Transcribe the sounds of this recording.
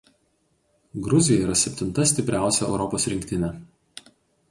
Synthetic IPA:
ɡɾʊzʲɪjɛiːɾɐsʲɛpʲt̪ʲɪnˑt̪ɐsʲt̪ʲɪpʲɾʲæˑʊsʲɛɛʊɾɔpoːsɾʲɪŋʲkʲt̪ʲɪnʲɛ

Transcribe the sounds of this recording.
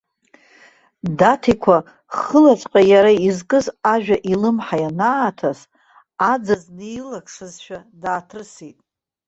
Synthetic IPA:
datʰikʷʰa | χəlat͡sʼqʼajaɾaizkʼɨzaʒᶣaʔilɨmħajanaːtʰas | ad͡zaznejlakʰʼsɨzʃᶣadaːtʰrɨsitʼ

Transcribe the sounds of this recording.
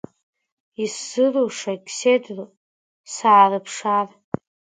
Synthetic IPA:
isːɨroʂakʲsedro | saːrɨpʰʂar

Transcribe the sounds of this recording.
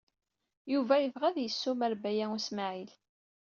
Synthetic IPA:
juvæjəvʁæðjəsːumæɾbæjæusmaʕil

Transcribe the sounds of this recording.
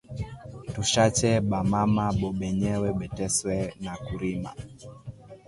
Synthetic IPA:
tuʃat͡ʃɛɓamamaɓɔɓɛɲɛwɛɓɛtɛswɛnakuɾima̰

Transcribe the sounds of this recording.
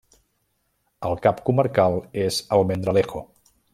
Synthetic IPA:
əlˠkapkuməɾkalˠezəlˠmend̪ɾəlexo

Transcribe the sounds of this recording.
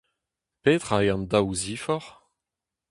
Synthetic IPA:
peːt̪χaeɑ̃ndawziːfɔʁ

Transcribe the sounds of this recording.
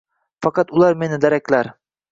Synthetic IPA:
fɑqɑt̪ulˠɑɾmenɪd̪æɾæklaɾ

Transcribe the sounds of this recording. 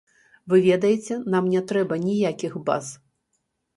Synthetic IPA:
vɨvʲɛd̪ɐjɛt͡sʲɛnamnʲɛt̪ɾɛbɐnʲijakʲixba̰z

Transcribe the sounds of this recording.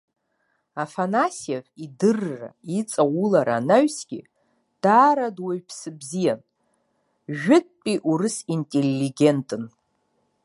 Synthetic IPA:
afanasiaħʷidɨrːa̰it͡sʼawulaɾa̰naɥsɡʲḭ | d̥aːɾadwaɥpʰsɨbzijan | ʒᶣɪt̚ʼpʼiʔuɾɨsintʼelːiɡʲe̞ntʼɨn

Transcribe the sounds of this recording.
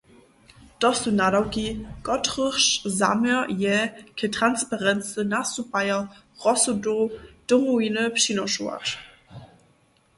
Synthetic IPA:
d̥ɔsunadawkiɡ̥ɔtʁəχʃza̰mɛɐjɛkʰətʁ̥anspaʁɛnt͡sənasupajɐ | ʁɔsodod̥omuinəpʃinɔʃua̰t

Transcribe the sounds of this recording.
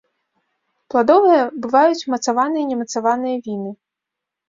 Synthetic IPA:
plˠad̪ɔvɨjɐbɨvajut͡sʲmɐt̪savanɨjɐnʲɛmɐt̪savanɨjɐvʲinɨ

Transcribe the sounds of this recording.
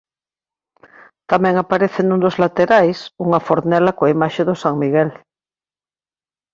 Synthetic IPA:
t̪amɛ̃ŋapaɾeθenũnd̪ozlat̪eɾajsuŋafoɾnɛlakoaimaʃeðosaŋmiɣɛl

